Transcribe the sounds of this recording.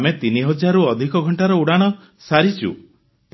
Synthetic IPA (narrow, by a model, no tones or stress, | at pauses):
met̪iniɦɔd͡ʒaɾuɔd̪ʱikɔɡʱɔɳʈaɾɔuɽaɽ̃ɔ | saɾit͡ʃʰṵ | p